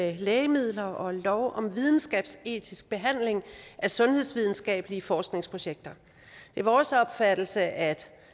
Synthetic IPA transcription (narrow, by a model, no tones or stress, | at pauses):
eleːɪəmið̰ˠlɐʔɒ̽lɒʊʔɒ̽mʋið̞ˠn̩sɡ̥ɛ̰ːb̥se̝̰ːt͡sʰisɡ̥̚b̥e̝ɦæn̰le̝ŋʔæsɔ̽nhe̝ðˠsʋið̞ˠn̩sɡ̥ɛ̰ːb̥əliəfɒːsɡ̥ne̝ŋspʰʁo̝ɕeɡ̥̚d̥ɐ | d̥e̝ʋɑɒːsɒ̽b̥fæd̥l̩səʔæd̥